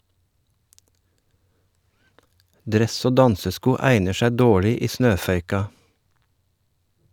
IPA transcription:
ˈdɾɛs ˈoː ˈdɑnsəˌskuː ˈæɪnəɾ ˈʃɛ ˈdoːɭɪ ˈiː ˈsnøːfœʏkɑ

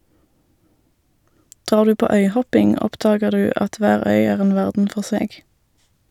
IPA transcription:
ˈdʁɑːʁ ˈdʉː ˈpoː ˈœʏˌhɔpɪŋ ˈɔpdɑːɡəʁ ˈdʉː ˈʔɑt ˈʋæːʁ ˈœʏ ˈæːʁ ˈeːn ˈʋæʁdn̩ ˈfɔʁ ˈseːɡ

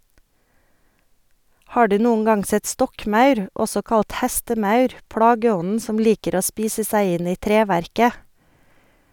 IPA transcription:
ˈhɑː ˈɖʉː ˈnuːən ˈɡɑŋ ˈsɛt ˈstɔkˌmɑʉɾ ˈɔsɔ ˈkɑlt ˈhɛstəˌmɑʉɾ ˈplɑːɡəˌɔnn̩ ˈsɔm ˈliːkəɾ ˈoː ˈspiːsə ˈsæɪ ˈɪn ˈiː ˈtɾeːʋæɾkə

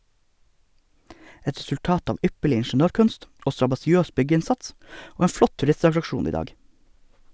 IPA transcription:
ˈɛt ɾɛsʉlˈtɑːt ˈɑːʋ ˈʏpəɭɪ ɪɳʃn̩ˈøːɾˌkʉnst ˈoː stɾɑbɑsɪˈøːs ˈbʏɡəˌɪnsɑts ˈoː ˈeːn ˈflɔt tʉˈɾɪstɑtɾɑkˌʃuːn ˈiː ˈdɑːɡ

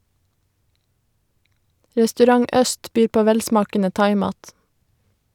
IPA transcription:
ɾɛstʉˈɾɑŋ ˈʔœst ˈbyːɾ ˈpoː ˈʋɛlˌsmɑːkənə ˈtɑɪˌmɑːt

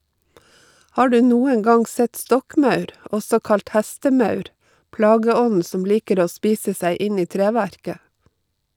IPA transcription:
ˈhɑː ˈɖʉː ˈnuːəŋ ˈɡɑŋ ˈsɛt ˈstɔkˌmɑʉɾ ˈʔɔsɔ ˈkɑlt ˈhæstəˌmɑʉɾ ˈplɑːɡəˌɔnn̩ ˈsɔm ˈliːkəɾ ˈoː ˈspiːsə ˈsæɪ ˈɪn ˈiː ˈtɾeːʋæɾkə

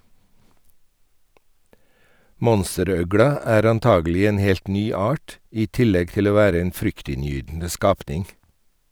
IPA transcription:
ˈmɔnstəˌɾœɡɽɑ ˈæːɾ ɑnˈtɑːɡəˌlɪ ˈeːn ˈhɛlt ˈnyː ˈɑʈ ˈiː ˈtɪlɛɡ ˈtɪl ˈoː ˈʋæːɾə ˈeːn ˈfɾʏktɪnˌjyːdn̩ə ˈskɑːpnɪŋ

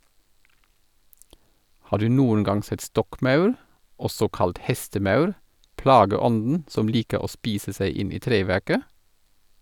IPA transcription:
ˈhɑː ˈdʉː ˈnuːən ˈɡɑŋ ˈsɛt ˈstɔkˌmɑʉɾ ˈɔsɔ ˈkɑlt ˈhɛstəˌmɑʉɾ ˈplɑːɡəˌɔndn̩ ˈsɔm ˈliːkə ˈoː ˈspiːsə ˈsæɪ ˈɪn ˈiː ˈtɾeːˌʋæʁkə

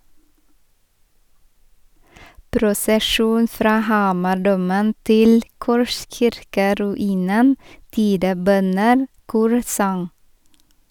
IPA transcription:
pɾʊsəˈʃuːn ˈfɾɑː ˈhɑːmɑˌɖuːmən ˈtɪl ˈkɔʃçɪɾkəɾʉˌiːnən ˈtiːdəˌbœnən ˈkuːɾsɑŋ

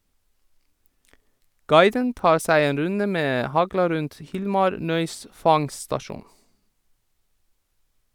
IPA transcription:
ˈɡɑɪdən ˈtɑːɾ ˈsæɪ ˈeːn ˈɾʉndə ˈmeː ˈhɑɡlɑ ˈɾʉnt ˈhɪlmɑɾ ˈnœʏs ˈfɑŋstɑˌʃuːn

